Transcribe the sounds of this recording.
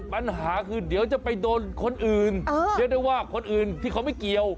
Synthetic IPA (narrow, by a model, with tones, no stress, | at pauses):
pa˧nɦaː˩˦kʰɯː˧di˩˦əwt͡ɕa˨˩pa˧jdoː˧nkʰo˧nʔɯː˨˩nː˧di˧˦da˥˩jwaː˥˩kʰo˧nʔɯː˨˩nt̪ʰiː˥˩kʰa˦˩wma˥˩jki˧əw